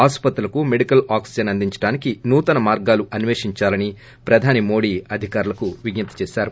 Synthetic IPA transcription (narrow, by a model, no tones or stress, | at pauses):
aːspɐt̪ɾulɐkumeɽikɐlaːksid͡ʒɐnɐnd̪iɲt͡ʃɐ̥ɽaːnikinuːt̪ɐnɐmaːɾɡaːluʔɐnʋeːʂiɲt͡ʃaːlɐni | pɾɐd̪ʱaːnimo̞ːɽiːɐd̪ʱikaːɾulɐkuʋiɡnɐt̪ːɐ̥t͡ʃeːʃaːɾu